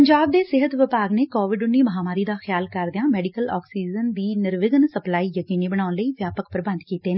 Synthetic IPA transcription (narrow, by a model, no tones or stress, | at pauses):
əɲd͡ʒaːb̚d̪eːsɪɦət̪ʋɪpaːɡneːkoːʋɪɖʊnːiːməɦaːmaːɾiːd̪aːxɪjaːlkəɾd̪eãːmɛːɖikəlɔ̰ːksiːd͡ʒənd̪iːnɪɾʋɪɡənsəplaːiːjəkiːniːbəɽ̃aːnləiːʋjaːpəkpəɾbə̃nd̪kiːt̪eːnː